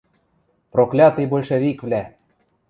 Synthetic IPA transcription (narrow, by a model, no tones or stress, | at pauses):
proklʲɑt̪ɤjbolʲʃĕβikvlʲæ